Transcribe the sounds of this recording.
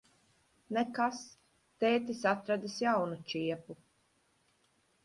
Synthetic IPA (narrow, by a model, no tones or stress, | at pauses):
nɛkas | t̪ɛːt̪isat̪ɾad̪isjawnut͡ʃiɛpu